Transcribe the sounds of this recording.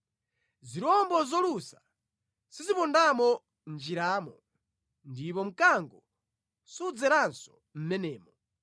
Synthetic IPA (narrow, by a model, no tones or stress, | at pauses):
ziɾɔmbɔzɔlusa | sizipɔndamɔ | nd͡ʒiɾaːmɔ | ndip̬ɔm̩kaŋɡɔ | sud͡zɛɾansɔ̥ | m̩mɛnɛːmɔ